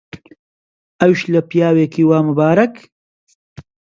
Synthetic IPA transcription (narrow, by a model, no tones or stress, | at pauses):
ɐwʃlɐpijaːweːkiːwaːmɨbaːɾɐk